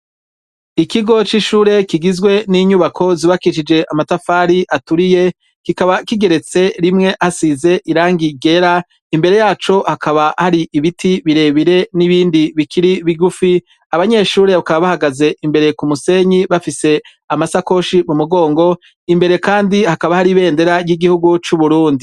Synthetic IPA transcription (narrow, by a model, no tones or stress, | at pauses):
ikiɡo̞t͡ʃiʃuːɾe̞kiɡizɡwe̞niɲuβakʰo̞ziβakiʃ̬id͡ʒe̞ʔamatafaːɾiʔatuɾije̞ | kikaβakiɡe̞ɾe̞t͡se̞ɾimŋe̞ʔhasize̞ʔiɾaːŋɡiɡe̞ɾa | imbe̞ɾe̞jaːt͡ʃo̞hakaβahaɾiʔiβitʰiβiɾe̞βiɾe̞niβiːndiβikʰiɾiβiɡufi | aβaɲe̞ʃuːɾe̞βakaβaβahaɡaze̞ʔimbe̞ɾe̞kumuse̞ɲiβafise̞ | amasako̞ʃimumuɡo̞ːŋɡo̞ | imbe̞ɾe̞kaːndihakaβahaɾiβe̞ːnde̞ɾaɾjiɡihuɡut͡ʃuβuɾuːndi